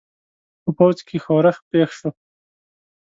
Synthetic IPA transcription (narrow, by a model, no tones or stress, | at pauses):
pəpawt͡skʰexoɾaxpexʃo